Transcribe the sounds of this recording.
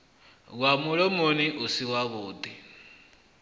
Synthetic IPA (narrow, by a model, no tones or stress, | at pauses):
ɣwamʊɺɔmoniʔusiwaβʊːd̪i